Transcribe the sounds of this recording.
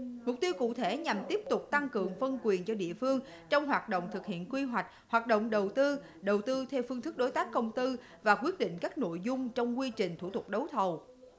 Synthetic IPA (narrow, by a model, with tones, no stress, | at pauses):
mʊ˨˩k͡p̚t̪i˧wkṵ˧˨t̪ʰe˧˩ɲa˨˩mt̪i˦˥əp̚t̪ʊ˨˩k͡p̚t̪a˧ŋkɨ˨˩əŋfə˧nkwi˨˩ənt͡ɕɔ˧ɗḭ˧˨əfɨ˧əŋ | t͡ɕɔ˧wŋ͡mɦwaː˨˩t̚ɗo̰˧˨wŋ͡mt̪ʰɨ˨˩k̚hḭ˧˨ənkwi˧ɦwa˨˩jk̟̚hwaː˨˩t̚ɗo̰˧˨wŋ͡mɗə˨˩wt̪ɨ˧ | ɗə˨˩wt̪ɨ˧t̪ʰɛ˧wfɨ˧ŋt̪ɨ˦˥k̚ɗo˨˦jt̪aː˦˥k̚kə˧wŋ͡mt̪ɨ˧ | vaː˨˩kwi˦˥ət̚ɗḭ̈˧˨ŋ̟kaː˦˥k̚no̰˧˨jzʊ˧ŋ͡mt͡ɕɔ˧wŋ͡mkwi˧t͡ɕï˨˩ŋ̟t̪ʰṵ˧˩t̪ʊ˨˩k͡p̚ɗə˨˦wt̪ʰə˨˩w